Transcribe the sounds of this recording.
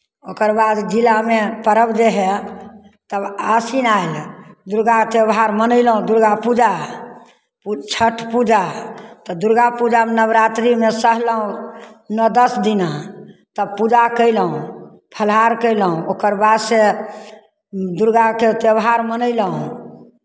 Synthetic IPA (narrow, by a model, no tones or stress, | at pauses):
okəɾbad̪d͡ʒilamepəɾəbd͡ʒeɦɛ | t̪əbasinaild̪uɾɡat̪ebɦaɾmənəɪlɦũd̪uɾɡapud͡ʒa | put͡ʃʰəʈʰpud͡ʒat̪ɔd̪uɾɡapud͡ʒamenəbɾat̪ɾimesəɦləɦũnɔd̪əsd̪inat̪əbpud͡ʒakəɪlɦũ | pʰəlɦaɾkəɪləɦũokəɾbad̪se | d̪uɾɡaket̪ebɦaɾmənəɪləɦũ